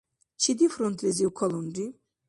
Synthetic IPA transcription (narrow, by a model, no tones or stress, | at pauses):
t͡ʃʰid̪ifɾɔnt̪ʰlɛziukʰɔlɔnd̪i